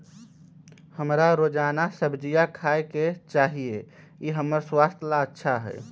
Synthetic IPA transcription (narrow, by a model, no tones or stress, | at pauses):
həmɾaɾoːd͡ʒaːnasəbd͡ʒijakʰaːeket͡ʃaːɦie | jeɦəməɾswaːst̪ʰlaətːʃʰaɦɛ̰ː